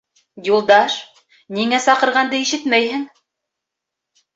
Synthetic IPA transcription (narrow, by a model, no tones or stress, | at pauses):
julˠd̪ɑʃ | niŋæsɑqɤ̆ɾʁɑnd̪ɤiʃɘt̪mæjhɘŋ